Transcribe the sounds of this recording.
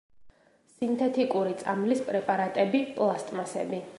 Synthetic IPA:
sint̪ʰɛt̪ʰikʼuɾit̪sʼamlispʼɾɛpʼaɾat̪ʼɛbipʼlˠast̪ʼmasɛ̰bi

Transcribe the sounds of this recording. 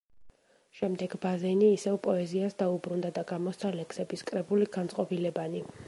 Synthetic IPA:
ʃɛmd̪ɛɡbazɛniːsɛvpʼɔɛziasd̪aubɾund̪ad̪aɡamɔst̪ʰalɛksɛbiskʼɾɛbuliɡ̥ant̪sʼɔbilɛbani

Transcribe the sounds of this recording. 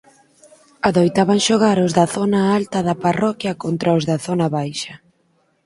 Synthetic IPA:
aðojt̪aβaŋʃoɣ̞aɾʊzðɐθɔnaalt̪ɐðɐparɔkjɐkont̪ɾɐʊzðɐθɔnɐβajʃɐ

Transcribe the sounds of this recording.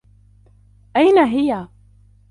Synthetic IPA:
ʔajnaɦɪja

